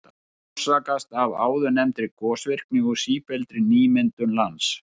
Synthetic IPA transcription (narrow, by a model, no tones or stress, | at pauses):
saːkast̪ava̰ːwðʏnɛmt̪ɾɪkɔːsvɪr̥knɪɣɔsiːpɛlt̪ɾɪniːmɪnt̪ʏnlans